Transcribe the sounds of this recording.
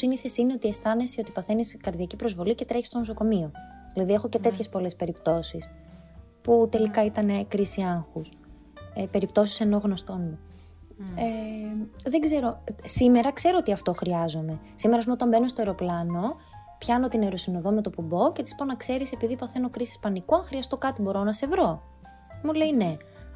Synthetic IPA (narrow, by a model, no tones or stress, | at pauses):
siniθesine̞o̞t̪iest̪ɐne̞siot̪ipɐθe̞niskɐɾðiɐcipɾo̞zvo̞lice̞t̪ɾe̞çist̪o̞nosoko̞mio̞ | ðilɐðie̞xo̞cet̪e̞t̪çespo̞le̞spe̞ɾipt̪o̞sis | put̪e̞likɐit̪ɐnekɾisiɐŋxus | epe̞ɾipt̪o̞si̥se̞no̞ɣno̞st̪o̞nd̪o | e | ðeɡze̞ɾo̞sime̞ɾɐkse̞ɾo̞ot̪iɐft̪o̞xɾiɐzo̞me̞ | simeɾɐs̬pmot̪ɐmbe̞no̞st̪oe̞ɾo̞plɐno̞ | pçɐno̞t̪ineɾo̞sino̞ðo̞me̞t̪o̞pubo̞ce̞t̪i̥spo̞nɐkse̞ɾise̞piðipɐθe̞no̞kɾisi̥spɐnikuɐŋxɾiɐst̪o̞kɐt̪ibo̞ɾonɐse̞vɾo̞ | mule̞ine̞